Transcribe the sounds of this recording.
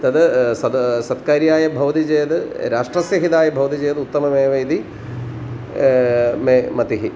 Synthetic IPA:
t̪ɐd̪ɐd̪sɐt̪kaːɾjaːjɐbʱɐʋɐt̪id͡ʒeːɐd̪ɨɾaːʂʈrɐsjɐɦid̪aːjɐbʱɐʋɐt̪id͡ʑeːd̪ut̪ːɐmɐmeːʋɐjd̪i | memɐt̪iɦi

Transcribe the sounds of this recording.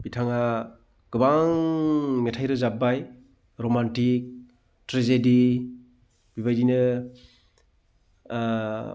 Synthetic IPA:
bitʰaŋa | ɡ̥ɯbaŋmetʰajɾɯzabaj | ɾomantik̚ | tɾezedi | biβajdinɯ

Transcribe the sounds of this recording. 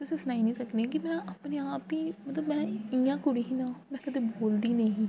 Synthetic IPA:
t̪ʊsĩːsənaːinĩːsəkneɛːk̬ɪmɛ̃ːʔəpneːaːpiːmət̪ləbmɛ̃ːɪjãːkʊɽiɦinãːmɛ̃ːkəd̪eːboːld̪iːnəĩĩː

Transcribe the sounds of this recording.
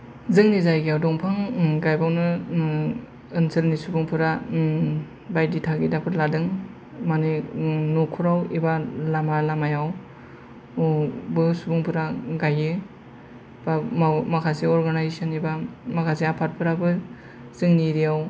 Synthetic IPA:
zɯŋnizajɡijawdɔŋpʰaŋɡajbawnɯ | ɯnsɯlnisubɯŋpʰɯɾa | bajditʰaɡidapʰɯɾladɯŋ | maninokʰuɾawibalamalamajaw | bɯsubɯŋpʰɯɾaɡajɯ | bamakʰaseɔɾɡanajzsanibamakʰaseapʰat̚pʰɯɾabɯ | z̥ɯŋniɾiaw

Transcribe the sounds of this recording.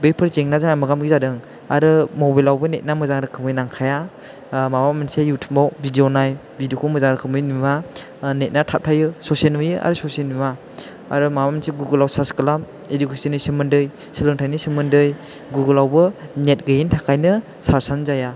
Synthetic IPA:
bepʰɯɾzeŋnazaŋamɯɡamɡizadɯŋ | aɾɯmobajlawbɯnet̚namɯzaŋɾɯkʰɯmɯjnaŋkʰaja | mabamensejutʰɯmbawbidionaj | bidokʰumɯzaŋɾɯkʰɯmɯjnuma | net̚natʰap̚tʰajɯsɔsenujɯa̰ɾɯsɔsenua | a̰ɾɯmaaminseɡuɡɯlawsaskɯlam | edukʰesinisɯmɯndɯj | silɯŋtʰajnisimɯndɯj | ɡuɡɯlawbɯnet̚ɡɯjintʰakʰajnɯ | saɾsanzaja

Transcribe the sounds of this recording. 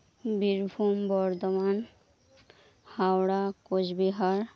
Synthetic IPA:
biɾbʱumbɔɾd̪oman | hawɽakod͡ʑbiɦaɾ

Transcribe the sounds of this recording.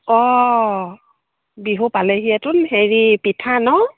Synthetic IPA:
ɔ | biɦupaleɦiɛtʊnheɹipitʰanɔ

